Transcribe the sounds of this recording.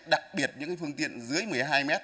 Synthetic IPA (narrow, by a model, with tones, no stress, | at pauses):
ɗa˨˩k̚ɓi˨˩ət̚ɲɨ̰˧˥ŋ˧fɨ˧əŋt̪ḭ˧˨ənzɨ˨˦əjmɨ˨˩əjɦaː˧jmɛ˦˥t̚